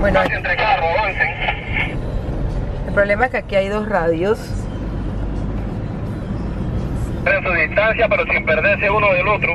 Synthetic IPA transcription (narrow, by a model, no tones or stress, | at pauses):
bwenoasent̪ɾekaaroβanseŋ | e̞lpɾole̞maeskeakiajðo̞sraðjos | ðensuðist̪ansjapeɾosimpeɾðeɾseunoelot̪ɾu